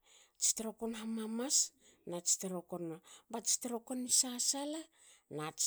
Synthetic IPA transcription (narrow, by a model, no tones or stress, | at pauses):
t͡ʃi̥teɾokonɦamamas | nat͡ʃi̥teɾokonobat͡ʃi̥teɾokonisasala | nat͡ʃ